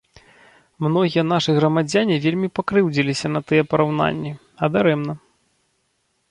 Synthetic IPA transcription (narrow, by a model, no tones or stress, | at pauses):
mnɔɣʲijɐn̪aʂɨɣɾɐmad͡zʲanʲivʲelʲmʲipakɾɨwd͡zʲilʲisʲɐnɐt̪ɨjɛpɐɾawna̰nʲːi | ɐd̪aɾɛmnɐ